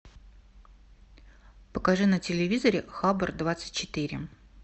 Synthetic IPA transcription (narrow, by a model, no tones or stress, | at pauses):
pə̥kɐʐɨnətʲɪlʲɪvʲizəɾʲɪxabərd̪vat̪sɨ̥t̚ʲt͡ɕɪt̪ɨɾʲɪ̰